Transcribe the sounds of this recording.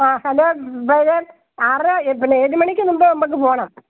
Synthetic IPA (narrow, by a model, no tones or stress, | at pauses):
aːhɐlːoːbɐjðe | arɨpinːeeːðimɐɳikʲːɨnumbɐnɐmːɐk̬ːɨpoːɐɳaːm